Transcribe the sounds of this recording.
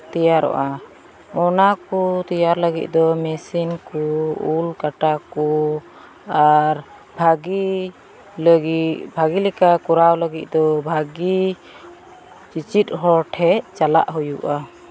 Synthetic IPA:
t̪ɛjaɾɔ̰ʔa | ɔnakut̪ijaɾləɡḭt̪̚ˀd̪ɔmɛsinkɔulkaʈakɔ | aɾ | baɡi | lɡibʱaɡilɛkakɔɾawləɡit̪̚d̪ɔbʱaɡi | t͡ʃit͡ʃit̪̚ɦɔɾʈʰɛt͡ʃala̰ʔɦujuʔa

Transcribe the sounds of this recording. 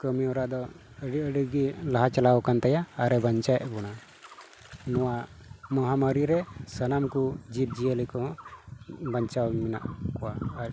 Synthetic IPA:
kəmiɔɾad̪ɔ | əɖiəɖiɡilaɦat͡ʃalawɔkant̪ajaːɾɛbaɲt͡ʃajɛʔbɔɽ̃a | nɔwa | mɔɦaməɾiɾɛsənamkud͡ʒip̚d͡ʒijəlikɔ | baɲt͡ʃawimɛna̰ʔkɔwa

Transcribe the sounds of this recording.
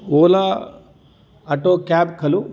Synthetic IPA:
oːla | ɐʈoːkaːb̚kʰɐlu

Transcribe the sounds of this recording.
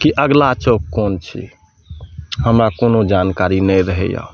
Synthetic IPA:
kiʔəɡlat͡ʃokkoːnt͡ʃʰḭ | həmɾakoːnod͡ʒankaɾinɛɾəɦɛ̰ja̰

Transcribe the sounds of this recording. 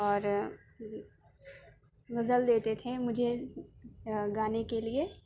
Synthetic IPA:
ɔːɾ | ɣɐzəld̪eːt̪et̪ʰemʊd͡ʒʱe | ɡaːnekelie

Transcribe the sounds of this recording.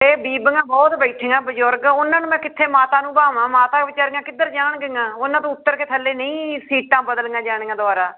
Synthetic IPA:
eːbiːbŋɡãːbɔːt̪bɛiʈʰɪ̃ŋɡãːbəd͡ʒʊɾɡʊnãːnũːmɛ̃ːkɪt̪ʰːeːmaːt̪ãːnũːbaːmãːmaːt̪aːʋɪt͡ʃaːɾəŋɡãːkɪd̪əɾd͡ʒaːɳɡəŋɡãːonãːt̪õːʊt̪ːəɾkeːt̪ʰəlːeːnəĩːsiːʈːãːbəd̪əlŋɡãːd͡ʒaːɽ̃eŋɡãːd̪ʊaːɾaː

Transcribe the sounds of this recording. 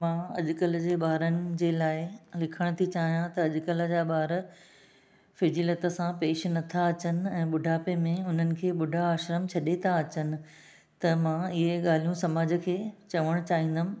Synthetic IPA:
mãːɐʄʊkələd͡ʑeːɓaːɾənɪ̆d͡ʑeːlaːɪlɪkʰəɽ̃t̪ʰit͡ɕaːɦijãt̪ɐːʄʊkələ̆d͡ʑaːɓaːɾ | fɪd͡ʑiːlət̪ə̆sãpeːʃnɐt̪ʰaɐt͡ɕənɪ̆ɛ̃ːɓʊɖʱaːpemẽʊn̤ənɪ̆kʰeːɓʊɖʱaːʃɾəmt͡ɕʰɐɗet̪ʰaɐt͡ɕənɪ̆ | t̪ɐmãːɪɦeɠaːl̤ijũsɐmaːd͡ʑə̆kʰeːt͡ɕɐʋəɽ̃t͡ɕaːɦĩːn̆d̪əmɪ̆

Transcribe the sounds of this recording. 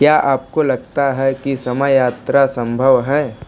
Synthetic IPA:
kjaːʔaːp̚kolɐɡ̚t̪aɦɛkisɐməjjaːt̪ɾasɐ̃mbʱəʋɦɛː

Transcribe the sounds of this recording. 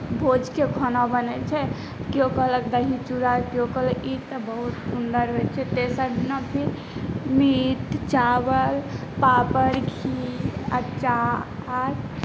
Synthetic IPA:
bʱod͡ʒkekʰɔnabənɛt͡ʃʰɛ | keokələkd̪əɦĩt͡ʃuɾakeokələkit̪əbəɦut̪sund̪əɾɦojt͡ʃʰɛt̪esəɾnəbʰi | mit̪t͡ʃawəlpapəɾkʰiət͡ʃaaɾ

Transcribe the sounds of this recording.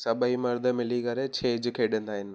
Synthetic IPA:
sɐbəimɐɾd̪ʱə̆mɪlikɐɾet͡ɕʰeːd͡ʑkʰeːɗɪ̃ːnd̪aːɦɪnɪ̆

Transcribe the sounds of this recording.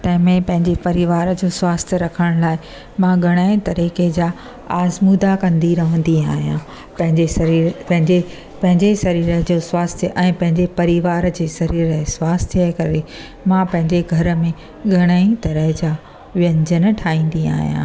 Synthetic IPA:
t̪ɐ̃ɦɪ̃mẽpɐ̃ɦɪ̃ɲd͡ʑepɐɾiʋaːɾd͡ʑoːswaːst̪ʰjəɾɐkʰəɽ̃laːɪ | mãɡʱɐɽ̃aːĩt̪ɐɾiːked͡ʑaː | aːzmud̪akɐ̃nd̪iɾɐɦə̃n̆d̪iaːɦijã | pɐ̃ɦɪ̃d͡ʑepɐ̃ɦɪ̃e | pɐ̃ɦɪ̃ɲd͡ʑesɐɾiːɾəd͡ʑoːswaːst̪ʰʔɛ̃ːpɐ̃ɦɪ̃ɲd͡ʑepɐɾiʋaːɾd͡ʑeːsɐɾiːɾəɦswaːst̪ʰikɐɾe | mãpɐ̃ɦɪ̃ɲd͡ʑeɡʱɐɾə̆mẽ | ɡʱɐɽ̃aːĩt̪ɐɾəɦɪd͡ʑaː | ʋjə̃ɲd͡ʑənə̆ʈʰaːĩːn̆d̪ia̰ːɦijã̰ː

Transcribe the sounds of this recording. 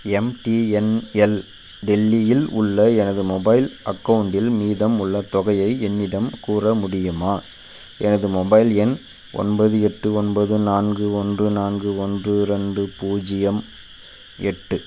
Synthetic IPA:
ɛmʈiɛnɛl | ɖɛlːɪjɪlʊ̰ɭːɐɛnɐðɯmɔbɐɪlʔɐkːɐʋʊɳɖɪlmiːðɐmʊɭːɐt̪ɔɣɐjɐɪɛnːɪɽɐmkuːrɐmʊɽɪjɯmaː | ɛnɐðɯmɔbɐɪlɛn | ʔɔ̰nbɐðɯɛʈːɯɔnbɐðɯnaːnɡɯɔndrɯnaːnɡɯɔndrɯɾɐɳɖɯpuːd͡ʒɪjɐm | ɛʈːɯ

